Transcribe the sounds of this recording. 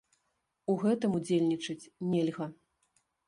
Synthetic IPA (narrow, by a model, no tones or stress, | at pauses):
uɣɛt̪ɨmud͡zʲelʲnʲit͡ʂɨt͡sʲnʲelʲɣɐ